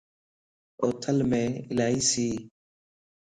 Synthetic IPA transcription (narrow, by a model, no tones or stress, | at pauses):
oːt̪ʰəlmẽːɪlaːɦiːsiː